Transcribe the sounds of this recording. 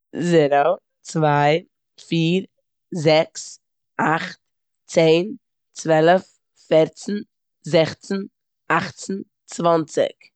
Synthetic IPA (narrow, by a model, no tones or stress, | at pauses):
zɛɾo | t͡svaɪ | fiːɾ | zɛks | aχt̚ | t͡seːn | t͡svɛlˠəf | fɛɾt͡sn̩ | zɛχt͡sn̩ | aχt͡sn̩ | t͡svant͡sɪ̰k